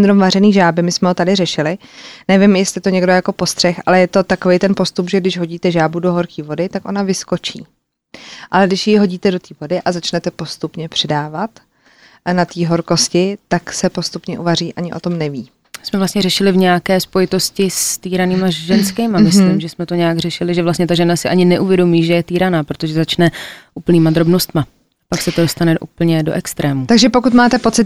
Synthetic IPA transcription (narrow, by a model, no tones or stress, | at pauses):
d̪ɾomvarɛniːʒaːbɪmɪsmɛɦo̞t̪adɪrɛʃɪlɪnɛvɪmjɛst̪ɪt̪o̞ɲɛɡdojako̞po̞st̪r̥ɛxʔa̰lɛjɛt̪o̞t̪akovejt̪ɛnpo̞st̪upʒɛɡdɪʒɦo̞ɟiːt̪ɛʒaːbudo̞ɦo̞ɾkiːvo̞dɪt̪akʔo̞̰navɪsko̞t͡ʃḭː | ʔalɛɡdɪʃjiɦo̞ɟiːt̪ɛdo̞t̪iːvo̞dɪʔazat͡ʃnɛt̪ɛpo̞st̪upɲɛpr̥ɛdaːvat̪ | nat̪iːɦo̞ɾko̞scɪt̪aksɛpo̞st̪upɲɛʔuvariːʔaɲɪʔot̪o̞mnɛviː | smɛvlast̪ɲɛrɛʃɪlɪvɲɛjakɛːspojɪt̪o̞scɪst̪iːɾaniːmaʒɛnskɛmamɪsliːmʒɛsmɛt̪o̞ɲɛjaɡr̝ɛʃɪlɪʒɛvlast̪ɲɛt̪aʒɛnasɪʔaɲɪnɛʔuvjɛdo̞miːʒɛjɛt̪iːɾanaːpɾot̪oʒɛzat͡ʃnɛʔuːpl̩niːmad̪ɾo̞bno̞st̪ma | paksɛt̪odo̞st̪anɛʔṵːpl̩ɲɛdo̞̰ʔɛkst̪ɾɛːmut̪aɡʒɛpo̞kut̪maːt̪ɛpo̞t͡sɪt̪